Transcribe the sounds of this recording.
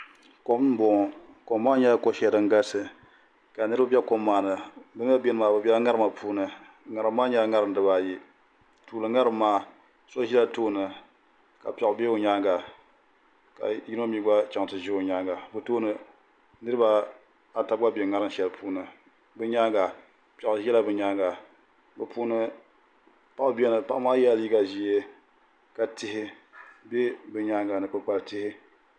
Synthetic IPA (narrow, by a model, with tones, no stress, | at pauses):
ko˨m˦n˦bo˨ŋ˨ | ko˨maː˦ɲɛ˦ko˦ʃɛ˨˦˨dɨ˨ŋ˦ɡa˦sɨ˨ | ka˨nɨ˦ɾɨ˦bɨ˦bʲɛ˦ko˦mːaː˨nɨ˨bɨ˦m˦ɛ˦be˦nɨ˨maː˨bɨ˨bɛ˦ŋa˦ɾma˨pʰuː˦nɨ˨ | ŋa˨ɾɨː˨˦aː˦ɲɛ˦ŋa˦ɾɨ˦n˦dɨ˨˦ba˨ji˦ | tuː˨lɨ˨ŋa˦ɾɨ˦mːaː˦ | so˦ʒi˦la˦toː˦nɨ˨ | ka˨pʲɛ˨˦be˦o˨ɲaː˦ɡa˨ | ka̰˨ji˦n˦a˦mi˦ɡa˦t͡ʃa˨ŋ˨tɨ˨ʒi˦o˨ɲa˦ŋɡa˨bɨ˨toː˦nɨ˨ | nɨ˦ɾɨ˦ba˦ | a˨ta˨bɡa˦bɛ˨ŋa˦ɾɨ˦ʃɛ˨lpʰuː˦nɨ˨ | bɨ˦ɲa˦ɡa˨ | pɛ˨ʔʊ˨ʒɛ˦la˦bɨ˨ɲa˦ŋɡa˨ | bɨ˨pʰuː˦nɨ˦ | pa˨ʔʊ˨˦bi˦ɛ˦nɨ˨pa˨ʔmaː˦jɛ˦li˦ɡa˨ʒi˦je˦ | ka˨tɪ˦hɪ˦ | be˦bɨ˨ɲa˦ŋɡa˨nɨ˨kɨ˨k͡pa˨ltɪ˦hɪ˦